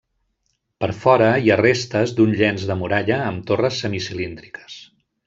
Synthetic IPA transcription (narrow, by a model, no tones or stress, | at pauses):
pəɾfɔɾəiarest̪əzd̪unʎɛnzðəmuɾaʎəːmt̪orəsːəmisilind̪ɾikʰə̥s